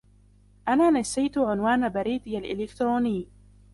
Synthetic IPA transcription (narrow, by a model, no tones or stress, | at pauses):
ʔanaːnasːajt̪ʊʕʊnwaːnabaɾiːd̪jalʔɪlɪkt̪ɾoːnɪjː